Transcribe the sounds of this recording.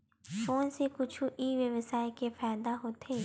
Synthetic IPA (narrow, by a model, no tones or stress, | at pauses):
foːnsekʊt͡ʃʰuʔiːʋeʋəsaːekefaːjd̪aɦoːt̪ʰeː